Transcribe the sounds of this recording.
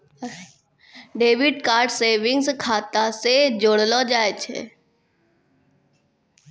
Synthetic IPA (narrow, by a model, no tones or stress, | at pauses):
ɖeːʋɪɖkaːɾɖseːʋɪ̃ŋɡskʰaːt̪ased͡ʒoːɽlod͡ʒaːet͡ʃʰḛ